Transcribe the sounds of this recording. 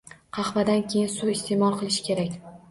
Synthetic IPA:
qʰɑχvad̪ankʲʰe̞jɪnsuɪst̪e̞mɒlˠqʰɨlˠɪʃɪ̥kʲe̞ɾakʲ

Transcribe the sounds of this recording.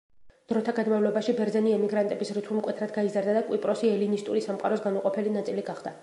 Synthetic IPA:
d̪̥ɾɔt̪ʰaɡad̪mavlɔbaʃibɛɾd̪zɛniɛmiɡɾant̪ʼɛbisɾit̪ʰulˠmkʼwɛt̪ʰɾad̪ɡaizaɾd̪ad̪akʼwipʼɾɔsiɛlinist̪ʼuɾisamqʼa̰ɾɔsɡanuqʼɔpʰɛlinat̪sʼiliɡaχd̪a

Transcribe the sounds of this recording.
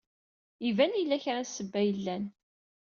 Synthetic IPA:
ivænilːæçɾæsəbːæjəlːæn

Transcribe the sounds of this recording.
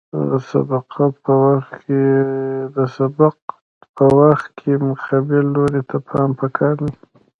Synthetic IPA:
ə̰sa̰b̪aqʰapəwaxt̪ked̪əsabaq̚ | pʰəwaxt̪̚kʰemʊxabelːoɾet̪ʰapʰɑmpəkʰɑɾna

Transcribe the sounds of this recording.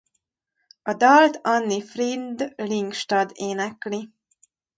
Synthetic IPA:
ɒd̪ɒlt̪ɒnːifrind̪liŋkʃt̪ɒd̪eːnɛkli

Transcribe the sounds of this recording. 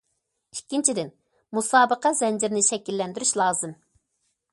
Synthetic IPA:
ikʲːint͡ʃʰid̪ɪn | musɑːbəqɑzɛnd͡ʒiɾnɪʃɛkʲilːɛnd̪yɾyʃlˠɑːzɨm

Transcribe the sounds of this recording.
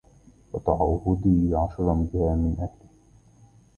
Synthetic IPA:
wɑt̪ˤɑʕɑʔhʊd̪iːʕɑʃɾˤɑmbɪhaːmɪnʔahlɪ

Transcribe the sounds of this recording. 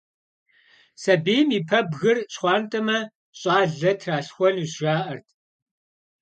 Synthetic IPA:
sɐbeːmiːpʰɐbɣɨrɕχʷɑːntʼɐmɐ | ɕʼɑːɮɐtʰraːɬxʷɔnuːɕaːʔɐrtʰ

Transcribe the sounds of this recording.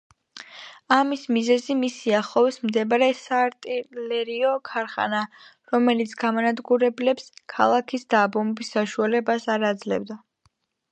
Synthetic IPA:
amismizɛzimisiaχɔvsmd̪ɛbaɾɛsaːɾt̪ʼilɛɾiɔkʰaɾχa̰na | ɾɔmɛlit̪sʰɡamanad̪ɡuɾɛblɛpskʰa̰lˠakʰisd̪aːbɔmɛbisːaʃualɛbasaɾad̪zlɛ̰vd̪a

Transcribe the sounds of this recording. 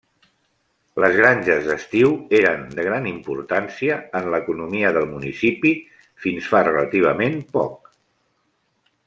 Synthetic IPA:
ləzɣɾaɲʲʒəzðəst̪iweɾənd̪əɣ̞ɾanimpuɾt̪ansiəːnləkunumiəðəlˠmunisipi | finsfarələt̪iβ̞əmempɔ̰k

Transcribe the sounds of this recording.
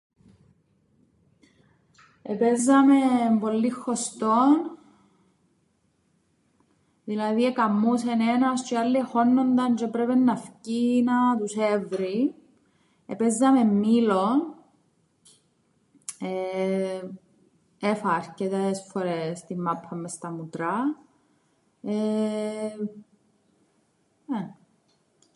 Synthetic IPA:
epezːɐmeɱvo̞lːixːost̪on | ðilɐðiekɐmːusenenɐst͡ʃealːiexo̞nːo̞nd̪ɐnd͡ʒepɾevenːɐfcinɐt̪usevɾi | epezːɐmemːilo | e | efɐɾcet̪esfoɾest̪imːapʰːɐmːest̪ɐmut̪ɾɐ | e | e

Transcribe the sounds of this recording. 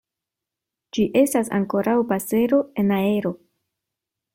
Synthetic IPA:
d͡ʒiʔe̞stasa̰ŋko̞ɾawpase̞ɾo̞e̞nae̞ɾo̞

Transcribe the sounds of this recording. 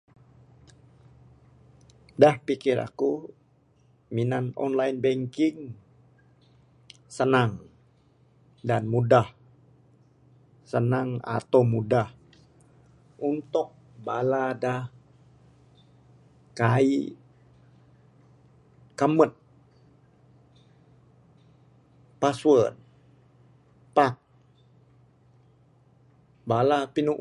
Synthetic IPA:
dahpikɪra̰ku | minanɔ̰nlainbɛŋkɪŋ | sənaŋ | danmudah | sənaŋa̰t̪awmudah | ʔunt̪ʊk̚ | baladah | kaḭ | kamət̪̚ | paswən | pak̚ | balapinu

